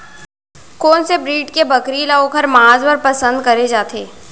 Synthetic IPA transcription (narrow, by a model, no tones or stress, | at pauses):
koːnsebɾiːʈkebɐkɾilaokʰɐɾmaːzwəɾpɐsə̃nd̪kɐɾed͡ʒaːt̪ʰeː